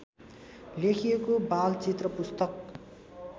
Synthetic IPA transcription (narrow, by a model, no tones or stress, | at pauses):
lekʰijekobalt͡sit̪rʌpust̪ʌk̚